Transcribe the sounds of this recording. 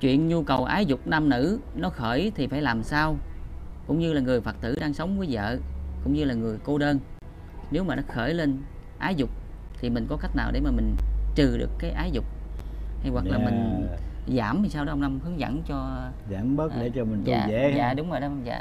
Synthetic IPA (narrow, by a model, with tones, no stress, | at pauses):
t͡ɕwḭ˧˨ənɲu˧kə˨˩wʔaː˨˦jzʊ˨˩k͡p̚na˧mnɨ̰˧˥nɔ˨˦xəː˧˩jt̪ʰi˨˩faː˧˩jlaː˨˩msaː˧wkʊ̰˧˥ŋ͡mɲɨ˧laː˨˩ŋɨ˨˩əjfə˨˩k̚t̪ɨ˧˩ɗaː˧ŋsə˨˦wŋ͡mvəː˨˦jzə̰ː˧˨kʊ̰˧˥ŋ͡mɲɨ˧laː˨˩ŋɨ˨˩əjko˧ɗəː˧n | ne˨˦wmaː˨˩nɔ˨˦xəː˧˩jle˧n | ʔaː˨˦jzʊ˨˩k͡p̚ | t̪ʰi˨˩mï˨˩ŋ̟kɔ˨˦ka˦˥k̚naː˨˩wɗe˧˩maː˨˩mï˨˩ŋ̟t͡ɕɨ˨˩ɗɨ̰˨˩əkːaː˨˦jʔaː˨˦jzʊ˨˩k͡p̚ha˧jwa˨˩laː˨˩mï˩ŋ̟zaː˧˩mt̪i˨˩saː˧wɗɔ˨˧˦wna˧mhɨ˨˦əŋzə̰˧˩nt͡ɕɔ˧ | zaː˧˩mɓə˦˥ɗe˧˩˦t͡ɕɔ˧mi˨˩ŋza̰ː˧˩zḛ˧˦za̰ː˧˨ɗʊ˨˦ŋ͡mzo˨˩jɗwza̰ː˧˨